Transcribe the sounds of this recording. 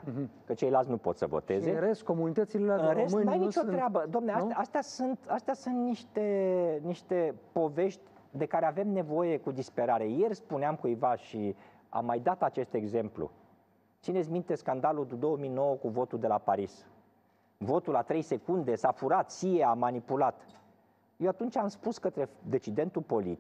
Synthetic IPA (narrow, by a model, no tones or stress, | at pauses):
kət͡ʃe̞jlalt̪s̬ʲnupo̞t̪sə̰vo̰t̪e̞zeɾes̚komunit̪ət̪silelaɨnɾessɨmajnit͡ʃoɾeabəd̪oamneasast̪asunt̪ast̪easunt̪niʃt̪e̞niʃt̪e̞po̞ve̞ʃt̪ʲ | d̪e̞kaɾe̞ave̞mne̞vo̞je̞kud̪ispe̞ɾaɾe̞je̞rspuneamkujvaʃi | a̰mːajd̪at̪at͡ʃe̞st̪e̞ɡze̞mplṵ | t̪sines̬ʲmint̪e̞skand̪alud̪d̪o̞wəmijno̞wəkuvo̞t̪uld̪e̞lapaɾis | vo̞t̪ulat̪ɾe̞jse̞kund̪e̞safuɾat̪sijeamanipulat̪ | jewat̪unt͡ʃamspuskət̪ɾe̞d̪e̞t͡ʃid̪e̞nt̪upo̞lḭt̪i